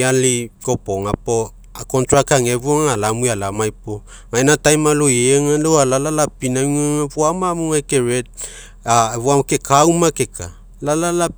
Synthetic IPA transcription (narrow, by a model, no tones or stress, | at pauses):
aliko̞po̞ŋapo | akontɾakaŋeβoŋalamujalamajpo | ŋaenatajmalojeŋaloalalalapinauŋaŋaβoamamuŋajke̞ɾed̚ | aβoamke̞kawmake̞kʰa | lalala